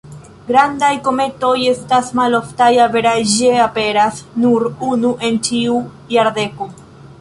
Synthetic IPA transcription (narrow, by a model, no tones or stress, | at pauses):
ɡɾandajko̞me̞to̞je̞stasmaloftajave̞ɾajʒd͡ʒeape̞ɾasnuɾunuʔe̞nt͡ʃiu | jaɾde̞ko